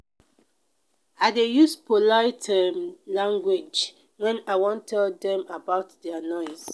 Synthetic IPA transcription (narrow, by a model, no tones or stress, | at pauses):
aɪdejuspʰolaɪtʰɛmlãŋɡwed͡ʒ | wɛ̃naɪwɔ̃ntʰɛldɛ̃mabaʊtdɛanɔɪs